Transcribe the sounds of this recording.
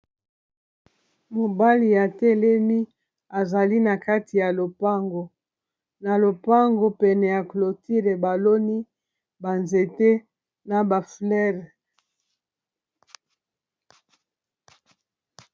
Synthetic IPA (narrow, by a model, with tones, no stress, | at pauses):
mo˨ba˦li˨ja˨tɛ˦lɛ˦mi˦ | a˨za˨li˦na˨ka˦ti˨ja˨lo˨pa˦ŋɡo˨ | na˨lo˨pa˦ŋɡo˨pɛ˨nɛ˨ja˨klo˨ti˦le˨ba˨lo˦ni˦ | ba˨nze˨te˦ | na˨ba˨flɛ˦ʁ